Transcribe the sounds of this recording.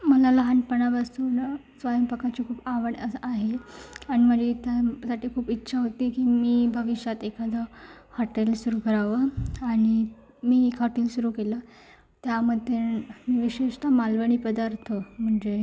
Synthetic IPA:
məlaləɦanpəɳabasuːn | sʋajəmpəkat͡ɕikʰuːpaʋəɳəaɦeaɽ̃im̤əd͡ʑet̪jasaʈiːkʰuːpitːɕʰaɦot̪iːkiːmiːbʱəʋiʂjat̪ekʰad̪a | hɔʈelsuɾukəɾaʋəaɽ̃i | miːekɦɔʈelsuɾuːkela | t̪jaməd̪ʱemiʋiɕeʂʈ̪amalʋəɽ̃iːpəd̪aɾt̪ʰom̤əɳd͡ze

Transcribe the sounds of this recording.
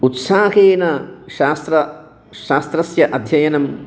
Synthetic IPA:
ut̪saːɦeːnɐʃaːst̪ɾɐ | ʃaːst̪ɾɐsjɐʔɐd̪ʱjɐjɐnɐm

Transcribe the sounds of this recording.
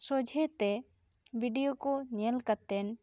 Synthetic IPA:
sɔd͡ʒʱɛt̪ɛ | bʱiɖijokɔɲɛlkat̪ɛn

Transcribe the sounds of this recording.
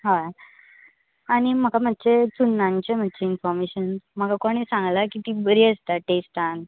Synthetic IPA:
ɦa | aɽ̃im̤əkam̤ətːt͡ɕet͡sunːãɲt͡ɕem̤ət̪ːd͡ʑeinfɔɾmeɕənm̤əkakɔɽ̃isãŋɡlakit̪ibəɾiəst̪aʈesʈan

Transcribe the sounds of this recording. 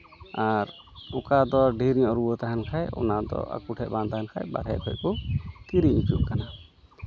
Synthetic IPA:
aɾ | ukad̪ɔɖʱiɾɲɔɾubɔt̪aɦankʰajɔ̰nad̪ɔ̰ʔa̰kuʈʰɛʔ̚bant̪ahankʰa̰jba̰ɽɦɛ̰kʰɔckɔt̪iɾiɲit͡ʃuʔ̚kana

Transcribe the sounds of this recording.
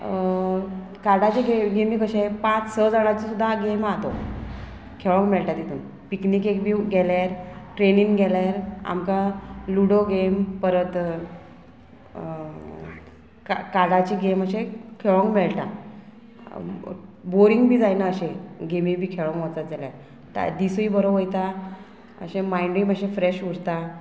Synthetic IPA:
kaɽat͡ɕiɡeɡemikəɕepat͡ssəd͡zaɽ̃at͡ɕisud̪ʱːaɡemat̪o | kʰeɭə̃ŋkmeɭʈat̪it̪ʰuːn | piknikekbʱiːɡɛljaɾʈɾeniŋɡɡɛljaɾa̰mkaluɽoɡempəɾət̪ | kakalat͡ɕiɡeməɕẽkʰeɭəŋkmɛɭʈa | boɾiŋɡbʱiːd͡zajnaəɕẽɡemibʱiːkʰeɭə̃ŋkʋɔt͡sat̪̚d͡zaljaɾ | t̪a̰d̪isibəɾoojt̪a | ə̰ɕẽmajɳɖiməɕẽfɾeɕuɽt̪a

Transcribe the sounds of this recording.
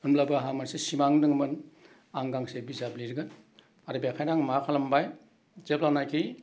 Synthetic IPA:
ɯnblabɯɦamansesimaŋdɯŋmɯn | aŋɡaŋsebizabliɾɡɯn | aɾɯbiakʰajnaŋmakʰalambaj | zep̚laŋnajkʰi

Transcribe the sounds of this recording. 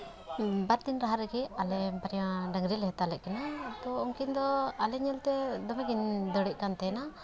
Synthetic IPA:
baɾd̪inɾaɦaɾɛɡɛalɛbaɾiaɖaŋɡɾɛlɛɦɛt̪alɛʔ̚kanat̪ɔuŋkind̪ɔalɛɲɛlt̪ɛd̪ɔmɛɡind̪ɔɽɛʔkant̪ɛna

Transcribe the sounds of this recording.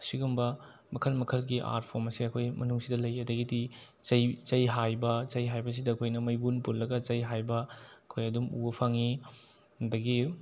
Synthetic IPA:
siɡumbɐ | mɐkʰɐlmɐkʰɐlɡiʔa̰ɾt̚pʰomɐsiɐkʰojmɐnuŋsidɐlɐjɐdɐɡidi | t͡ʃɐjt͡ʃɐjɦajbɐt͡ʃɐjɦajbɐs̬idɐɐkʰojnɐmɐjbunpullɐɡɐt͡ʃɐjɦajbɐɐkʰojɐdumṵɐpʰaŋi | dɐɡi

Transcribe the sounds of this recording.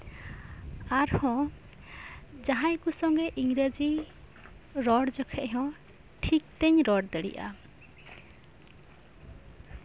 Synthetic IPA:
aɾhɔ̃ | d͡ʒaɦãjkusɔŋɡɛʔiŋɡɾəd͡ʒi | ɾɔɽd͡ʒɔkʰɛʔɦɔ̃ | ʈʰik̚t̪ɛɲɾɔɖd̪əɽḭʔa̰

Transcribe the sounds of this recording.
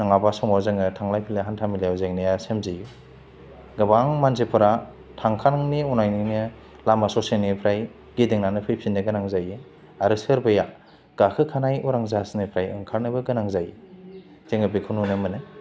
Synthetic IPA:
naŋabasɔŋazeŋɯtʰaŋlajpʰileɦantʰamilajwzeŋnɯjasemziju | ɡɐbaŋmanzepʰɯɾa | tʰaŋkʰaɾŋniunajninɯ | lamasɔsenipʰɾaj | ɡedeŋnanɯpʰɯjpʰinːɯɡɯnaŋzajɯ | aɾɯsɯɾbɯja | ɡ̥akʰɯkʰanajuɾaŋzasnɯpʰɾajɯŋkʰaɾnɯbɯɡɯnaŋzaji | z̥eŋɯbikʰɯnunɯmɯnɯ

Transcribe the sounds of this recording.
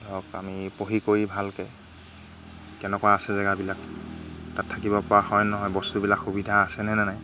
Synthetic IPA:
dɔka̰mipoɦikoɹibʱalkɛ | kɛnɛkɔwaːsɛzɛɡabilak̚tatʰːakibɔpɔɹahɔjnɔɦɔjbɔstubilakxubidʱaːsɛnɛnɛnaj

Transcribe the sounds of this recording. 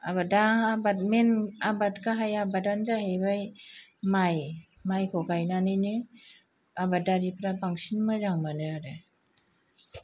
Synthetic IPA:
aβadaabat̚menabatkaɦajabadanzahebajmaj | majkʰɔɡajnanɯjnɯ | abadaɾipʰɾabaŋsinmɯzaŋmanɯaɾɯ

